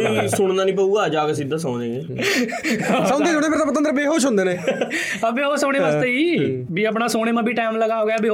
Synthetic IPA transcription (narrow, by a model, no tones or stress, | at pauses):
sʊɽ̃nd̪aːnĩːpəuːɡaːd͡ʒaːkəsid̪ːaːsãːnẽːe | sãːnd̪eːsʊñeːpɪɾt̪ãːpət̪ə̃nd̪ɾbeːɦoːʃõnd̪eːnẽː | əpeːoːsoːɽ̃eːʋaːstt̪eːiːbiːəp̬ɳaːsoːɽ̃eːmãːbʱiːʈaːɪmləɡaːoːɡaːbeː